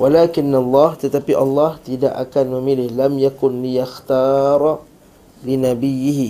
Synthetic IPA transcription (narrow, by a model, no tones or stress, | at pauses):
walakɪnːalːɑht̪ət̪apiʔɑ̰lːɑht̪ida̰ʔa̰kanməmilɪhlamjakʊnlijaxt̪ɑːɾˤ | linabijːɪɦi